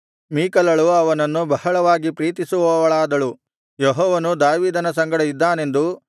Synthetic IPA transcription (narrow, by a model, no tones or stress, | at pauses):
miːkɐlɐɭuɐʋɐnɐnːubɐhɐɭɐʋaːɡipɾiːt̪isuʋɔʋɐɭaːd̪ɐɭu | jɔɦɔːʋɐnud̪aːʋiːd̪ɐnɐsɐŋɡɐɽɐid̪ːaːne̞nd̪u